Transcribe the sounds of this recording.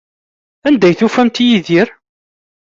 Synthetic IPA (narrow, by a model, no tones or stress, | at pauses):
ænd̪æjθufæmt̪jiðiɾ